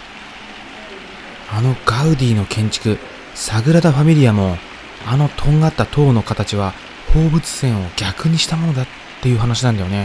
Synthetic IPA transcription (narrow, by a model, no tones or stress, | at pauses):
ano̞ɡ̥aɯ̟d̪ʲiːnokʰẽ̞ɲ̟t͡ɕi̥kɯ̟ | saɡɯ̟ɾad̪aɸamʲiɾʲijamo̞ | ano̞t̪ʰõ̞ŋɡat̪ːat̪ʰo̞ːno̞kat̪at͡ɕiβa | ho̞ːbɯ̟t͡sɨ̥sẽ̞ɰ̃o̞ɡʲakɯ̟ɲ̟iɕi̥t̪amo̞no̞d̪at̪ːe̞jɯ̟ːɦanaɕ̬inãnd̪ajo̞ne